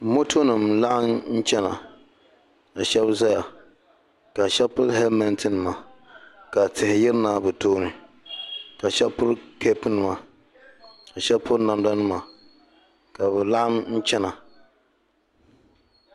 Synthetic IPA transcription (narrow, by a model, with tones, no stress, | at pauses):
mo˦tʰo˦nɨ˨mla˦ʔa˦mn̩˦t͡ʃɛ˦na̰˨ | a˨ʃɛ˦bza˦ja˨ | ka˨ʃɛ˦pʊ˦ɾɦɛ˦lmɛ˦ntɨ˦nɨ˨ma˨ | ka˨tɪ˨hɪ˨jɪ˦ɾɨ˦naː˦bɨ˨toː˦nɨ˨ | ka˨ʃɛ˦pʊ˦ɾke˦pɨ˦nɨ˨ma˨ | a˨ʃɛ˦lpʊ˦ɾna˨mda˦nɨ˦ma˨ | ka˨bɛ˨la˦ʔa˦mn̩˦t͡ʃɛ˦na˨